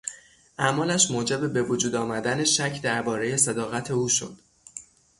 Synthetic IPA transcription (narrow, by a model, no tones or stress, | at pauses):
ʔæmɒːlæʃmoːd͡ʒebebe̞vod͡ʒuːd̪ɒːmæd̪æne̞ʃæcʰd̪æɾbɒːɾe̞je̞sæd̪ɒːɣæt̪ʰe̞uːʃo̞̰d̪̥